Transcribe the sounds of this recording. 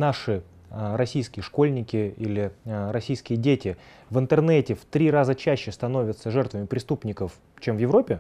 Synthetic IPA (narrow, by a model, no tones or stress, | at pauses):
naʂɨ | əɾɐsʲijskʲɪjəʂko̞lʲnʲɪkʲɪilʲɪɾɐsʲijskʲɪjədʲetʲɪ | vɨnt̪ɨrnɛtʲɪft̪ɾʲirazət͡ɕæɕːɪst̪ɐno̞vʲət̪səʐɛrt̪vəmʲɪpɾʲɪst̪upnʲɪkəf | t͡ɕemvjɪvɾo̞pʲɪ